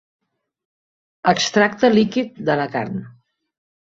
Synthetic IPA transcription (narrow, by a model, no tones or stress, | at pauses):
əkst̪ɾak̚t̪əlikit̪̚d̪ələka̰ɾn